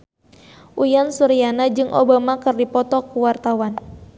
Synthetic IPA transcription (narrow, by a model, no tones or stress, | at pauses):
ʔujansuɾijanad͡ʒɨŋʔo̰bamakɨrdipɔt̪ɔkuwart̪awan